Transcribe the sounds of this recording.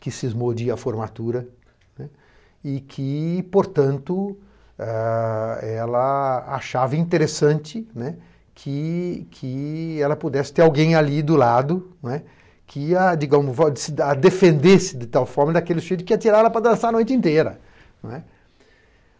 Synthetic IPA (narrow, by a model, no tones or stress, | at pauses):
kɪsɪɪzmod͡ʒiɐfoɾmat̪uɾɐ | nɛ | ɪkʰɪpoɾt̪ɐ̃nt̪ʊ | a | ɛlɐa̰ʃavɐĩnt̪eɾesɐ̃nt͡ʃɪnɛ | kʰɪkʰɪɛlɐpud̪ɛsɪ̥t̪eɾawɡẽj̃alid̪ʊlad̪ʊnwɛ | kʰɪad͡ʒiɡɐ̃mʊzasad̪efẽnd̪esɪd̪ɪt̪awfɔɾmɐd̪akelɪsʃejd̪ʊɪkɪiɐt͡ʃ̪iɾalɐpɾɐd̪ɐ̃saɾɐnojt͡ʃ̪ɪẽnt̪eɾɐ̰ | nwɛ